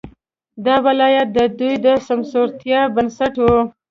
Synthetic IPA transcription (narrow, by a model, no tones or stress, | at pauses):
d̪ɑwɪlɑjat̪̚d̪əd̪ujd̪əsamsoɾt̪jɑbənsaʈwu